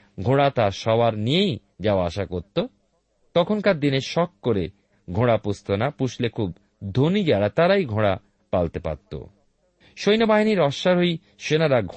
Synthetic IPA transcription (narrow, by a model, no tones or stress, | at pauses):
ɡʱoɽat̪aɾʃɔbaɾnijej | d͡ʑaoaaʃakoɾt̪ːo | t̪ɔkʰonkaɾd̪ineɾʃɔk̚koɾe | ɡʱoɽapost̪onapuʃlekʰub̚ | d̪ʱonid͡ʑaɾat̪aɾajɡʱoɽa | palt̪epa̰t̪ːo̰ | ʃojnobaɦiniɾɔʃːaɾɦoj | ʃenaɾaɡʱ